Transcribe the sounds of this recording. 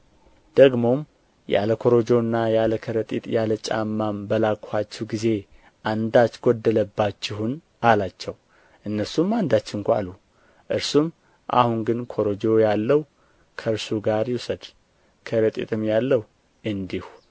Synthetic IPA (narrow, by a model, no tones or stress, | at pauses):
d̪̥əɡmo̞m | ja̰ləkʰo̞ɾo̞d͡ʒo̞nːajaləkʰəɾət̪ʼit̪ʼjalət͡ʃʼa̰mːambəlakʰat͡ʃːɛwɡize̞ | ʔand̪at͡ʃɡod̪ːələbːat͡ʃːɪhun | alat͡ʃːɛw | ʔɨnːəɾsumːand̪at͡ʃːɪŋkʷa̰lu | ʔɨɾsum | ʔa̰hunɡɨnkʰo̞ɾo̞d͡ʒo̞jalːəw | kʰəɾsuɡaɾjusəd̪ | kʰəɾət̪ʼḭt̪ʼɨmjalːəhu | ʔɨnd̪ihu